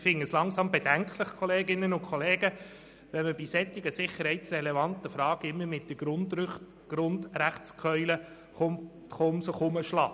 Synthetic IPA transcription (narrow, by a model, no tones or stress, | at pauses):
fɪŋːəslɑŋsɑmbed̥æŋkʰləχkʰoleːɡɪnənʊkʰχoleːɡ̥ə | ʋɛnməb̥isɛt̪ːɪɡəsɪχːəɾhɛɪtsrɛlevɑnt̪əfɾɑːɡ̥ɪmːəmɪt̚d̥̪ə | ɡ̥ɾʊnd̪ræχtt͡skʰœʏlə | χomsəχʊməʃlɑː